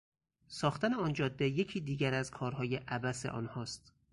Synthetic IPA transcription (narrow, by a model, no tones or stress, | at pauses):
sɒːxt̪ʰæneɒːnd͡ʒɒːd̪ːeje̞cʰiːd̪iːɡæɾæzkʰɒːɾɦɒːje̞ʔæbæseʔɒ̰ːnhɒːst̪